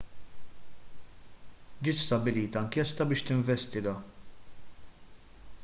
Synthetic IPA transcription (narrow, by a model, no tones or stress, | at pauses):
d͡ʒɪːt̪st̪ɐbɪliːt̪ɐɐŋkiɛst̪ɐbɪːʃt̪ɪɱvɛst̪ɪɡɐ